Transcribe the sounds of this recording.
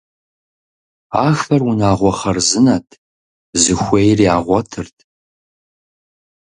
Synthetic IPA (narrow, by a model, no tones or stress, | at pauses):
aːxɐrwunaːʁʷɔχɐrzɨnatʰ | zɨxʷejriaːʁʷɔtʰɨrtʰ